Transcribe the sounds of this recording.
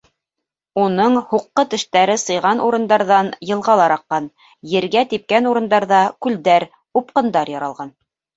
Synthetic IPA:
unɤɴhuqːɤt̪ɘ̆ʃt̪æɾɘsɤ̆jʁɑnʔuɾɤ̆nd̪ɑɾðɑnjɤ̆lˠʁɑlˠɑɾɑqːɑn | jɘ̆ɾɡæt̪ip̚kænuɾɤ̆nd̪ɑɾðɑkʉld̪æɾ | up̚qɤ̆nd̪ɑɾjɑɾɑlˠʁɑn

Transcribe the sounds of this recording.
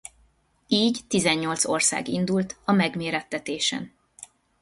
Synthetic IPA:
iːɟt̪izɛɲːo̞lt̪so̞rsa̰ːɡind̪ult̪ɒmɛɡmeːɾɛt̪ːɛt̪eːʃɛ̰n

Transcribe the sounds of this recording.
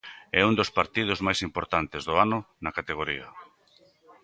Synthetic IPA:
ɛund̪ospaɾt̪ið̞ʊzmajsimpoɾt̪ant̪ezðʊanʊ | nɐkat̪eɣ̞oɾiɐ̰

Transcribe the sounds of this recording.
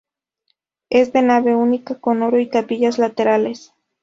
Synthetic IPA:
e̞zðe̞naβe̞unikako̞no̞ɾo̞it̪apiʝazlat̪e̞ɾale̞s

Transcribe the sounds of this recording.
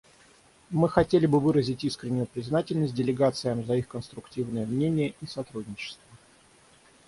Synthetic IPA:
mɨxɐtʲelʲɪbɨvɨɾəzʲɪtʲiskɾʲɪnʲːʊjʊpɾʲɪznatʲɪlʲnəsʲt̚ʲdʲɪlʲɪɡat̪sɨjəmzɐixkənst̪ɾʊktʲivnɨjəmnʲenʲɪjəʔisɐt̪ɾudʲnʲɪt͡ɕɪ̥st̪və

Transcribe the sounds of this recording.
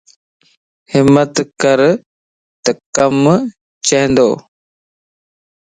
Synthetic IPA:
hɪmət̪kəɾ | t̪əkəm | t͡ʃəɦɪ̃nd̪oː

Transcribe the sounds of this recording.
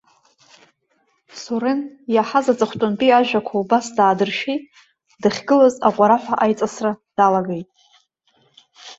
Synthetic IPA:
suɾenjaħazat͡sʼɨχʷtʼʊnbʼiaʒʷᶣakʷʰaubasdaːdɨrʃejtʼ | dɨχʲɡɨlaza̰qʷʼaɾaħʷᶣaʔajt͡sʼasrad̥alaɡejtʼ

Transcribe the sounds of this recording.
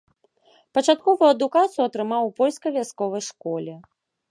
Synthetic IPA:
pɐt͡ʂat̪kɔvujuɐd̪ukat̪sɨjuɐt̪ɾɨmawpɔlʲskɐvʲjaskɔvɐjʂkɔlʲɛ

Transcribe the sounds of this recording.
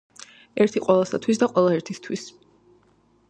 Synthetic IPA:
ɛɾt̪ʰiqʼwɛlˠasat̪ʰwis̬d̪aqʼwɛlˠaɛɾt̪ʰist̪ʰwis

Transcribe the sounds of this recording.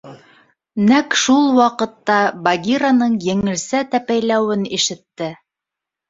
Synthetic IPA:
nækʃulˠwɑqɤ̆t̪ːɑbaɡʲiɾanɤɴjɘ̆ŋɘ̆lsæt̪æpæjlæwɘniʃɘ̆t̪ːɘ

